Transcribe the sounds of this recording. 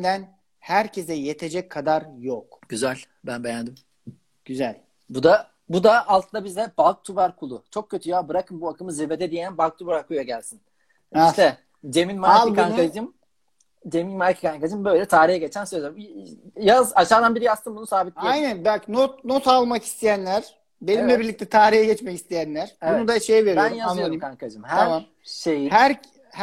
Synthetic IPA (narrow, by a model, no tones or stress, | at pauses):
d̪æn | hæɾcʰe̞zɛjet̪ʰe̞d͡ʒɛcʰːad̪aɾjokɟ̥yzælʲ | bænbejand̪im | ɟ̥yzælʲ | bud̪a | bud̪aʔːlˠt̪ʰɯnd̪abizd̪ɛbalˠk̚t̪ʰubaɾkʰulˠʊt͡ʃʰo̞k̚cʰːøt̪ʰyjaːbɯɾakʰɯmbuakʰɯmɯzebed̪ɛd̪ijænbalˠk̚t̪ʰubɾaɾkʰujaɟælʲsin | iʃt̪ɛ | d͡ʒeminmaɾikaŋad͡ʒɯm | d͡ʒeminmaɾcʰi̥kʰaŋkad͡ʒɯmbø̞jlʲɛt̪ʰaːɾijɛɟet͡ʃʰænsøzɛ | jazaʃaːd̪anbiɾijast̪ʰɯnbunusaːbit̪̚iajnænbacnot̪no̞t̪alˠmaki̥st̪ʰejænlʲæɾ̥ | be̞nimlʲɛbiɾlʲic̚t̪ʰɛt̪ʰaːɾiɦɛɟɛt͡ʃmɛcist̪ʰejænlʲæɾ̥ebunud̪aʃejve̞ɾibænjazanɯoaɾimkʰaŋkʰad͡ʒɯmhæaɾam | ʃejihæɾ | h